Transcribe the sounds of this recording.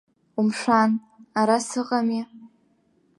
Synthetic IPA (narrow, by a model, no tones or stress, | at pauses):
umʂʷan | aɾasɨqʼami